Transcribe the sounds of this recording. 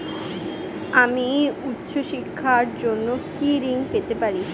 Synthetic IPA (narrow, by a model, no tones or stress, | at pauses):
amiut̪ːɕoʃikʰːaɾd͡ʑonːokiɾiŋpet̪epaɾi